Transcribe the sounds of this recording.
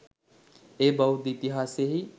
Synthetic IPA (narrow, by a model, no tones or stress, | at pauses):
ebɐud̪it̪iɦaːseɦi